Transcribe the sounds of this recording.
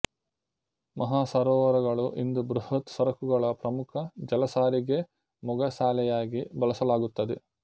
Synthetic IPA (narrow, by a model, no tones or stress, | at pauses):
mɐɦaːsɐɾɔːʋɐɾɐɡɐɭuʔind̪ubɾuhɐt̪sɐɾɐkuɡɐɭɐpɾɐmukʰɐd͡ʒɐlɐsaːɾiɡe̞ | mɔɡɐsaːlɛjaːɡibɐlɐsɐlaːɡut̪ːɐd̪e